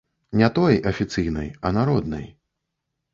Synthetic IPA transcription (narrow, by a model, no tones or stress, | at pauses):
nʲɛt̪ɔjɐfʲit̪sɨjnɨ̰jɐnaɾɔd̪nɨ̰j